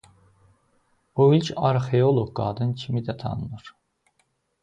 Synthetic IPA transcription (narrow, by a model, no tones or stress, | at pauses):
uilcʰɑɾχeolˠoɡɡɑ̰ːd̪ɯncʰimid̪æt̪ʰɑ̰nɯnɯɾ̥